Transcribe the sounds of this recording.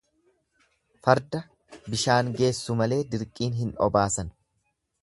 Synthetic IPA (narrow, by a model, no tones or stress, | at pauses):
fɐɾd̪ɐ | bɪʃaːŋɡe̞ːsːʊmɐle̞ːd̪ɪɾkʼiːnɦɪnɔ̰baːsɐn